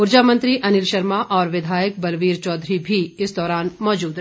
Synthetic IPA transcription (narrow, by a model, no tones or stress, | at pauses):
ʊɾd͡ʒaːmə̃nt̪ɾiʔɐnɪlʃɐɾmaʔɔːɾʋɪd̪ʱaːjək̚bɐlʋiːɾt͡ʃɔːd̪ɾibʱiɪsd̪ɔːɾaːnmɔːd͡ʒuːd̪